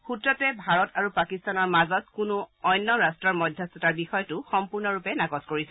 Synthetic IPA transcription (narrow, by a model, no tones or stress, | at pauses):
xutɹɔtɛbʱaɹɔtaɹupakistanɔɹmazɔtkʊnʊɔjnːɔɹastɹɔɹmɔjdʱjasɔtaɹbixɔjɔtʊxɔmpuɹnɔɹupɛnaɡɔzkoɹisɛ